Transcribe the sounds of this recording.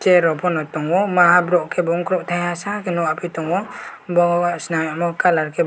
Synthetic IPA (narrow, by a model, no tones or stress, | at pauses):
t͡ʃɛɾɔpʰɔnɔtɔŋwɔmaɦabɾɔʔkʰɛbɔŋkʰɾɔʔtʰajasakɛnɔapʰitɔŋwɔbɔŋaʔsnajamɔkalaɾkʰɛ